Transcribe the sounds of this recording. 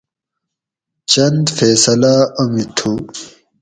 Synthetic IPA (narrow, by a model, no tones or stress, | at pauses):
t͡ɕɐnd̪feːsɐlaɐmit̪ʰu